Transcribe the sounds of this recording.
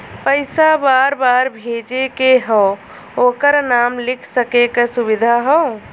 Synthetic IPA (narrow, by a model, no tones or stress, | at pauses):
pəɪsabaːɾbaːɾbʱeːd͡ʒekeɦɔ | oːkəɾnaːmlɪkʰsəkekasʊbɪd̪ʱaɦɔː